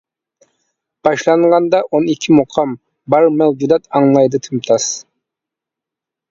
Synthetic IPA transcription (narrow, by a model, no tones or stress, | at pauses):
b̥ɑʃlˠɑɴʁɑnd̪ɑʔonikʲʰːimoqʰɑm | bɑɾmæwd͡ʒud̪ɑt̪ɑŋlˠɑjd̪ɨt̪ʰymt̪ʰɑs